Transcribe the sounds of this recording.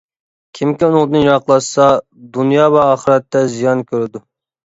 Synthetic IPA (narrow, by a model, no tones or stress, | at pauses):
kʲʰimkʲiunʊŋˠd̪ɨnjɑqlˠɑʃsɑ | d̪unjɑːvɛɑːχəɾɛt̪ːɛzijɑnkʲʰøɾɪd̪u